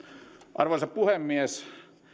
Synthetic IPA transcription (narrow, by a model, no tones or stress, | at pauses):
ʔɑ̰rʋoˑsɑppuhemːies